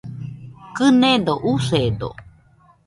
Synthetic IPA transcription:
kɨnẽd̪oʔused̪o̰

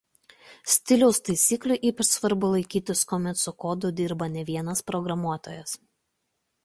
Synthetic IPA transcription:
sʲt̪ʲɪlʲɛʊst̪ɐɪsʲiːklʲʊʔiːpʲɛɾsʋɐɾbʊlˠɐɪkʲiːt̪ʲɪskɔːmʲɛt̪sʊkoːd̪ʊd̪ʲɪːɾbɐnʲɛʋʲiɛnɐspɾɔɡɾɐmuɔt̪o̰ːjɛs

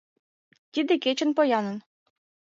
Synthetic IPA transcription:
t̪ʲid̪ɘ̆kʲet͡ɕɘ̆npojɑnɤ̆n

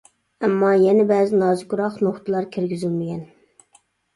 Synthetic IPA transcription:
ɛmːɑjɛnɛbæːzɪnɑːzɨkuɾɑqnoχt̪ʰɨlˠɑɾkʲʰiɾɡʲizɪlmɪkʲɛn

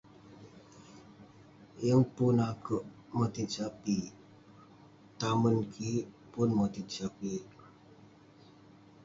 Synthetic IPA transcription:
jəŋpʊnakəʔ | mət̪it͡ʃapi | t̪amənkʰi | pʊnmət̪it͡ʃapi

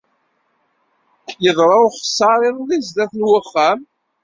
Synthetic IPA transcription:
kːjəðˤɾˤɑʊχsˤːɑɾˤɪðˤðizd̪æθlwəχːæm

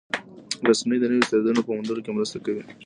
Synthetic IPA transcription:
ɾasmijd̪ənəwit̪ad̪ad̪unopəmand̪uɾokemɾəst̪akawi

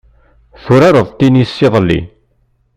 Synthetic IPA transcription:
θuɾaɾəðˤt̪inisːɪðˤəlːḭ

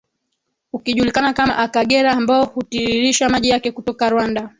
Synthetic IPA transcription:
ukiʄulikanakama̰ʔakaɠɛɾaːmbaɔhutiɾiɾiʃamaʄijakɛkutɔkaɾwanda

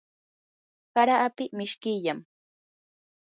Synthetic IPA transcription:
kaɾaʔːpɪmɪʃkɪʎam

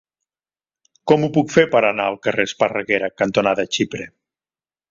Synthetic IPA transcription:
kɔmupukfeɾpəɾənaəlˠkərespərəɣeɾəkənt̪onaðət͡ʃipɾe

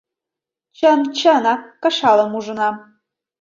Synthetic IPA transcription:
t͡ɕəmt͡ɕɤnɑkɤ̆ʃɑlɤ̆muʒə̆nɑ

